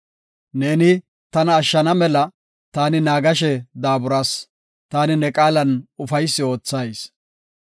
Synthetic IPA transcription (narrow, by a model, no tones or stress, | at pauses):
ne̞ːnɪ | t̪ɐnɐːʃːɐnɐmɛlɐ | t̪aːnɪnaːɡɐʃ̬ɛd̪aːbʊɾaːs | t̪aːnɪnɛkʼaːlɐnʊfɐjsːɪo̞ːt͡sːajs